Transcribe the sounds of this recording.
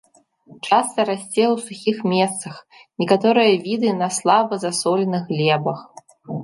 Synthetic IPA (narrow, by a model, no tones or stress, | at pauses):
t͡ʂast̪ɐɾasʲt͡sʲewsuxʲixmʲɛt̪sɐx | nʲɛkat̪ɔɾɨjɐvʲid̪ɨnɐslˠabɐzasɔlʲnɨxlʲɛbɐx